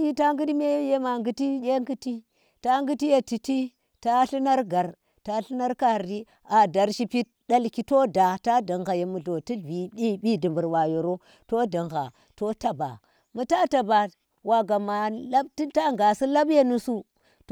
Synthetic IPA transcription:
ji˦ta˦ŋɡu˦di˦me˦je˦ma˨ŋɡu˦ti˦jʲe˦ŋɡi˦ti˦ | ta˦ŋɡu˦ti˦je˨ti˨ti˦ | ta˦ɬu˦na˦ɾɡa˨ɾ | ta˦ɬi˦na˦ɾka˨ɾi˦ | a˨da˨ɾʃi˦pi˦t̚ɗa˦lki˦to˦da˨ta˦da˨ŋɣa˨je˨mu˨ɮo˨ti˦˨bi˨bi˦bi˦di˨mbu˨ɾwa˨jo˨ɾo˦ | to˦da˨ŋɣa̰˨ | to˦ta˨ba̰˨ | mu˨ta˦ta˨ba˨ | wa˨ɡa˨ma˨la˦btta˦ŋɡa˨si˦la˦bje˦nu˦su˦ | t

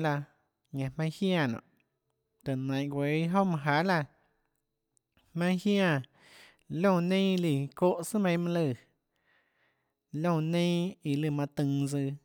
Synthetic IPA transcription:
la˧ | ɲã˧˨hmã˦hjã˧˨nɔ̰̃ː˨ʔ | t̪e˨nã˨ʔɡʷe˨˦ɦo˦mã˧ɦa˨˦la˧ | hmã˧˦j̃hjã˧˨ | lõ˦˧˨nẽ˦i˧li˧˨ko˦ʔsɨ˦mẽ˧˦mã˧lɨ˧˨ | lõ˦˧˨nẽ˦i˧lɨ˧˨mã˧t̪ɨ̃˧ŋd͡zɨ˧

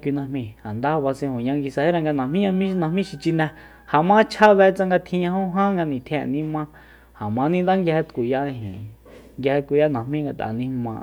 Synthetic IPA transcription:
kʷi˧nã˧hmĩ˧a˨nd̪a˦˧βa˧sẽ˧hõ˨ɲã˧ŋɡi˧sa˧he˦ɾã˧ŋɡa˧nã˨mĩ˦ɲã˧mĩ˦˧nã˧mĩ˦ʃi˧t͡ʃi˧nɛ̃˧ | ha˨mã˦t͡ʃʰa˦βɛ˧˦t͡sã˧ŋɡa˧t̪ʰĩ˧ɲã˧hõ˦ɦã˦ŋɡa˧nĩ˨t̪ʰẽ˧˨nĩ˦mã˧ | ha˨mã˧˦nĩ˦nd̪a˦ŋɡjhe˧t̪kʷu˨ja˦˧ɦḭ̃˨ | ŋɡhe˧t̪̚kʷu˧˨ja˦nã˨hmĩ˦ŋɡa˧t̪a̰˨nĩ˧mã̰˧ʔ

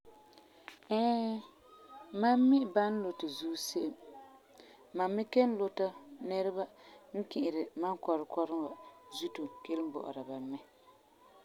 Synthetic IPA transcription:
ɛ˦ | ma˦mː˦i˦ba˦n̩˦lo˨tɪ˨zuː˦se˦ʔm | a˨mːi˦ke˦n̩˦lo˦ta˦nɛ˦ɾɪ˦ba˦ŋ̩˦ki˨ʔɪ˨ɾɪ˨ma˦ŋkɔ˨ɾɨ˨kɔ˦ɾɨ˦wa˨zu˦tu˨ke˦lm˦bɔ̰˨ʔʊ̰˨ɾa˨ba˨mɛ˦

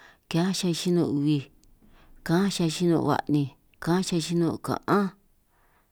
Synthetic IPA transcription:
ka˦ʃa˧ʃi˦nõ˧u˧βi˧ | kã˦ʃa˧ʃi˦nõ̰˧βa̰˧˨nĩ˧ | kã˦ʃa˧ʃi˦nõ˧˨kã̰˨ʔã˦

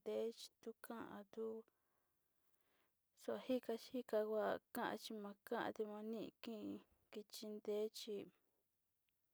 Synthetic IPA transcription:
d̪e˦t͡ʃi̥˧t̪u˦kʰã˦ʔã̰˧t̪u˦ | su˧a˧hi˦ka˧t͡ʃhi˦ka˧kʷa˧kã˦ʔã̰˧t͡ʃi˧mã˧kã˦ʔã̰˧t̪i˧mã˧nĩ˦ʔkĩ˦˧ | ki˧t͡ʃi˧nd̪e˦t͡ʃi˧

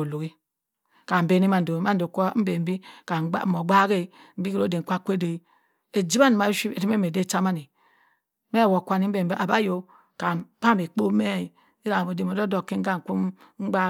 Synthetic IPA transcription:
o˨lo˨ɡi˦ | ka˨m̩˨be˦ni˦ma˨n̩˨do˨˦ma˦n˦o˨kʷo˦m̩˦be˨m̩˦bi˦ka̰˨˦˨mo˨ɡ͡ba˦ɡe˦˨m̩˦bi˦kɾo˦de˨kʷa˦˨kʷe˦de˨i˦ | e˨d͡ʒi˦ba˦n˨ma˨˦ʃi˦e˨ɾi˦m˦e˦me˨de˦˨t͡ʃa˦ma˦ni˨ | me˦˨wo˨kʷa˨ni˦m̩˦be˨m̩˦bi˦ʔa˨ba˦jo˨ | ka˨pa˦˨be˨k͡po˦me˦˨i˨ | i˦a˨bo˨de˨o˨do˦do˨ke˦ŋ̩˦ɡa˦˨ŋ˨ku˦m | ŋ͡m̩˦ɡ͡ba˦

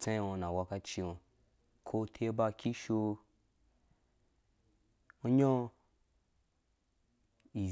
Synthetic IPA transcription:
t͡sã˦o˧nã˨wa˧ka˦t͡ʃi˧o˨ | kʰo˦tʰe˦ba˧kʲi˦ʃo˧ | o˧ɲõ˦ | i˨

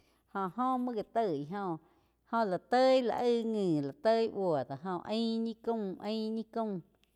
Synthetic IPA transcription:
hõ˧˨ʔhõ˦mɨ̃˦ɡa˨t̪ə˦˧˨i˨ɦõ˧ | hõ˧˨la˨t̪ə˦la̰˧ʔə˦˧ŋɨ̃ː˨la˨t̪ə˦i˦ʔwo˨d̪a˨ɦõ˧ʔə̃˦ɲĩ˦kũ˦˨ʔə̃˦ɲĩ˦kũ˦˧˨

